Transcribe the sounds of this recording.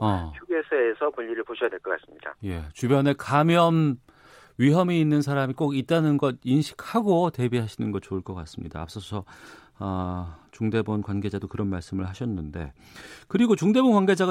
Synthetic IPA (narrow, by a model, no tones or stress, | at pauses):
ʌt͡ɕʰuɡesʰeːsʰʌpuʎːiɾɯɭpoɕʰʌjadwe̞ɭk͈ʌk͈as͈ɯmɲida̰je̞t͡ɕubjʌne̞kamjʌm | ɥiɦʌmiinːɯnsʰaɾamik͈oɡit̚t͈anɯnɡʌd̚inɕʰi̥kʰhaɡote̞biɦaɕʰinɯnɡʌt̚t͡ɕoɯɭk͈ʌk͈as͈ɯmɲḭda̰ːp̚s͈ʌsʰʌ | ʌt͡ɕuŋde̞bʌnkwanɡe̞d͡ʑadokɯɾʌnmaɭs͈ɯmɯɭɦaɕʰʌnːɯnde̞̰ | kɯɾiɡot͡ɕuŋde̞bʌnkwanɡe̞d͡ʑaɡ